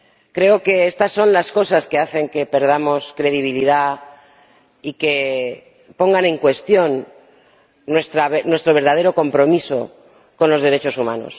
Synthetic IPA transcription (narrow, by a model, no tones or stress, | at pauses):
kɾe̞oke̞est̪asːo̞nlasko̞saskeaθe̞ŋke̞pe̞ɾð̞amo̞skɾe̞ðiβ̞iliða | ike̞ | po̞ŋɡanẽ̞ŋkwe̞st̪jo̞nː | west̪ɾaβnwe̞st̪ɾo̞βeɾðað̞e̞ɾo̞ko̞mpɾo̞miso̞ | ko̞nlo̞zðe̞ɾe̞t͡ʃo̞sumãno̞̰s